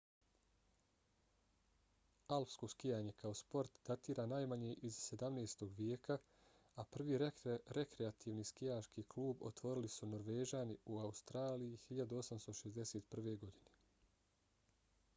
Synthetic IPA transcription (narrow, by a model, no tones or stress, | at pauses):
alˠpsko̞skijaːɲe̞kao̞spo̞ɾt̪d̪at̪iːɾʔaːnaːjmaɲeʔizse̞d̪amneːst̪o̞ɡʋjeːkʰa | apr̩ʋiːɾɾe̞kɾeat̪ʰiːʋniːskijaːʃkiːklˠuːbo̞̰t̪ʋo̞ɾilisuno̞ɾʋeːʒaːniuaust̪ɾaːlijihiʎad̪uo̞samst̪o̞ʃezd̪e̞seːt̪pr̩ʋe̞ɡo̞d̪ine